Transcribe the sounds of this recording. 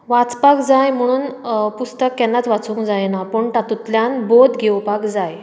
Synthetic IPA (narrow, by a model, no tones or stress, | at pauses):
ʋat͡spakd͡zajm̤əɽ̃uːnpust̪əkːɛnːat͡sʋat͡sũŋkd͡zajnapəɳʈ̪at̪ut̪ljanbod̪ɡewpakd͡zaj